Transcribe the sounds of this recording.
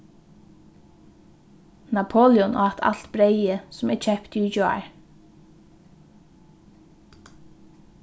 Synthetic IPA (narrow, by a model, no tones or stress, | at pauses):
nɑpʰoːljɔnʔo̰ːɑt̪ʰɑ̰lt̪bɾeɪəsʊmɛːt͡ʃʰɛpt̪yːd͡ʒoɑ̰ɹ